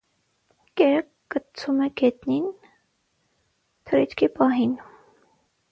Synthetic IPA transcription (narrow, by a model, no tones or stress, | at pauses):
kɛɾ | kːət͡sʰumɛɡɛt̪nin | t̪ʰəɾit͡ʃkʰipɑɦin